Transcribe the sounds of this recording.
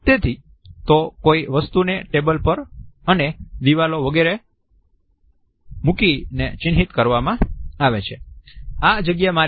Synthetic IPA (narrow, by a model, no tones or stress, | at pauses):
t̪et̪ʰi | t̪okoiʋəst̪uneʈebəlpəɾəned̪iʋaloʋəɡeɾe | mukinḛt͡ʃɪnɦit̪kəɾʋamãaʋet͡ʃʰead͡ʒəɡjaema